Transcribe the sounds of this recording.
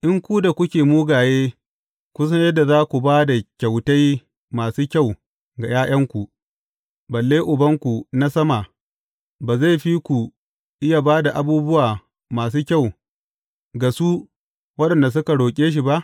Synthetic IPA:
ʔɪ˦ŋkʷu˦da˨kʷʊ˦kʲeː˨muː˦ɡaː˨jeː˦ | kʷʊ˦s̬ɐ˦ɲjɐ˦dːa˨zaː˦kʷu˨baː˦da˨kʲa˨wta˦j | maː˨suː˦kʲa˦˨w | ɡa˨jaː˦j̰ɐ˦ŋkʷu˨ʔ | bɐ˨lːeː˦ʔʊ˨bɐ˦ŋkʷu˨na˦sɐ˦ma˨ | baː˨za˦˨jɸi˦kʷu˨ | ʔɪ˦ja˨baː˦da˨ʔa˨˦buː˦bʊ˦waː˨ | maː˨s̬uː˦kʲa˦˨w | ɡa˨su˦ | wɐ˦ɗɐ˨nda˨s̬ʊ˦ka˨ɽoː˨kʲʼeː˦ʃ̬i˨ba˦ʔ

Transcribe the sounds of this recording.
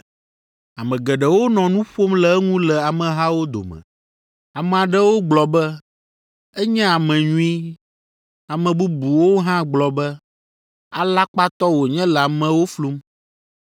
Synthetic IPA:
a˨mɛ̃˨ɡɛ˨ɖɛ˨wo˦nɔ̃˨nũ˦ɸo˦mlɛ˨˦ŋũ˦lɛ˨a˨mɛ̃˨ɦã˦wo˦d̪o̰˨mɛ̰̃˨ | a˨mɛ̃˨a˨ɖɛ˦wo˦ɡ͡blɔ˨bɛ˦ | ɛ˦ɲɛ̃˦a˨mɛ̃˨ɲũ˦i˦ | a˨mɛ̃˨bu˦bu˨wo˦ɦã˦ɡ͡blɔ˨bɛ˦ | a˨la˦k͡pa˦t̪ɔ˦wo˨ɲɛ̃˦lɛ˨a˨mɛ̃˨wo˦flu˦m

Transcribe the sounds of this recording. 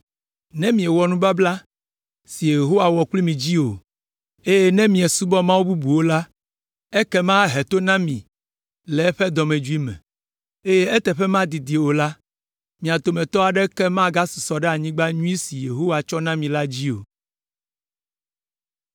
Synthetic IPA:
nɛ̃˦mĩ˨e˨wɔ˨nũ˦ba˦bla˦ | si˨je˨ɦo˦wa˨wɔ˨kli˦mĩ˨d͡ʑi˦o˨ | e˦je˦nɛ̃˦mĩ˨ɛ˨su˦bɔ˦mã˦wu˦bu˦bu˨wo˦la˦ | ɛ˦kɛ˦mã˦ɦɛ˨t̪o˦nã˦mĩ˨ | lɛ˨ɛ˦ɸɛ˦d̪ɔ˨mɛ̃˨d͡ʒu˦i˦mɛ̰̃˨ | e˦je˦ɛ˦t̪ɛ˨ɸɛ˦mã˦d̪i˨d̪i˨wo˨la˦ | mĩ˨a˨t̪o˨mɛ̃˨t̪ɔ˦a˨ɖɛ˦kɛ˦mã˦ɡa˦su̥˨sɔ˨ɖɛ˦a˨ɲĩ˦ɡ͡ba˦ɲũ˦i˦si˨je˨ɦo˦wa˨t͡ʃɔ˦nã˦mĩ˨la˦d͡ʑi˦o̰˨

